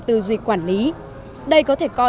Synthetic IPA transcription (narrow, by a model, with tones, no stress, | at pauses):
t̪ɨ˨˩zwi˨˩k̚waː˧˩nli˨˦ | ɗə˧jkɔ˨˦t̪ʰe˧˩kɔ˧